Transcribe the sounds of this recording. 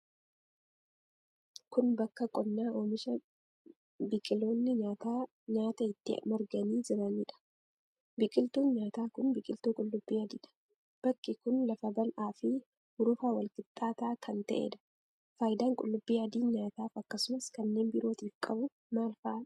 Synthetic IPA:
kʊnbɐkːɐkʼɔnːaːʔoːmɪʃɐ | bɪkʼɪlo̞ːnːɪɲaːt̪aː | ɲaːt̪ɐɪt̪ːɪ̰mɔɾɡɐniːd͡ʒɪɾɐniːᶑɐ̥ | bɪkʼɪlt̪uːnɲaːt̪aːkʊnbɪkʼɪlt̪uːkʼʊlːʊbːiːɐd̪iːᶑɐ̥ | b̥ɐkːɪkʊnlɐfɐbɐlʔaːfɪ | hʊɾʊfaːwɐlkʼɪt̪ʼːaːt̪aːkʰɐnt̪ɐʔḛːᶑ̪ɐ̥ | faːjɪd̪aːŋkʼʊlːʊbːiːɐd̪iːnɲaːt̪aːfɐkːɐsʊmɐskɐnːe̞ːnbɪɾo̞ːt̪ɪfkʼɐbʊ | maːlfaː

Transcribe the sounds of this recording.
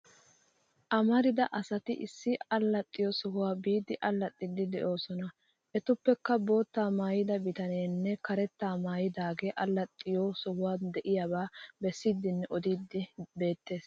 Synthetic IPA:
ʔɐmɐɾɪd̪ɐʔɐsɐt̪ɪʔɪ̰sːɪɐlːɐt̪ʼːɪjɔsɔhʊwaːbiːd̪ɪʔɐlːɐt̪ʼːɪd̪ːɪd̪ɛʔo̞ːsɔnɐ | ʔɛt̪ʊpːɛkːɐbo̞ːt̪ːaːmaːjɪd̪ɐbɪt̪ɐneːnːɛkɐɾɛt̪ːaːmaːjɪd̪aːɡeːʔɐlːɐt̪ʼːɪjoːsɔhʊwaːd̪ɛʔɪjabaːbɛsːiːd̪ːɪnːɛʔɔd̪iːd̪ːɪbe̞ːt̪ːe̞ːs

